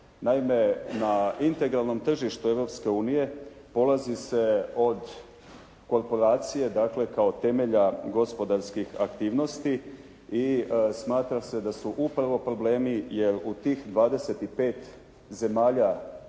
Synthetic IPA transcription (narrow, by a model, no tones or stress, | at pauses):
naime̞naint̪e̞ɡɾalˠno̞mt̪r̩ʒiʃt̪ue̞ʋɾo̞pske̞uːnije̞ | po̞lˠazise̞o̞d̪ | ko̞ɾpo̞ɾaːt̪sije̞d̪akle̞kao̞t̪e̞meʎaɡo̞spo̞d̪aɾskixa̰kt̪iːʋno̞st̪i | ismaːt̪ɾase̞d̪asuʔupɾaʋo̞pɾo̞ble̞ːmije̞ɾut̪iːxd̪ʋaːd̪e̞se̞t̪ipe̞ːt̪ | ze̞maːʎa